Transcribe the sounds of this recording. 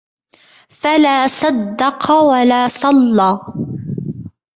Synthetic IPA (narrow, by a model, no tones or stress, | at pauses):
falaːsɑd̪ːɑqwalaːsˤɑlːɑː